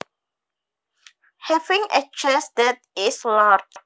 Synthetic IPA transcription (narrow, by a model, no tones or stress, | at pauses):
hɛvĩŋɛ̰t͡ʃɛsdɛt̚ | islad͡ʒ